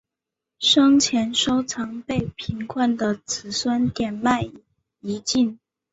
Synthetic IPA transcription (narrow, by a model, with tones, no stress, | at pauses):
ʂɤ˥ŋt͡ɕʰjɛ˧˥nʂo˥ʊt͡sʰɑ˧˥ŋpe˥˩ɪpʰi˧˥ŋkʰwa˥˩nd̪ə˨t͡sʰɹ̩˧˩swa˥nt̪jɛ˨˩nma˥˩ɪ | i˧˥t͡ɕi˥˩n